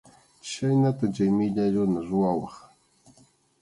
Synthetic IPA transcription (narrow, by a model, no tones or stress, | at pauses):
t͡ʃajnat̪at͡ʃajmɪʎaɾʊnaɾʊwawɑχ